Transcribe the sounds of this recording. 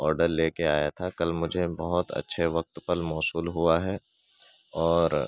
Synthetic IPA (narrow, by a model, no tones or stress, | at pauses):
ɔːɾɖəɾleːkeaːjat̪ʰakɐlmʊd͡ʒʱebɐɦʊt̪ɐ̰tːʃʰeʋɐk̚t̪pɐlmɔːsuːlɦuaɦɛː | ɔːɾ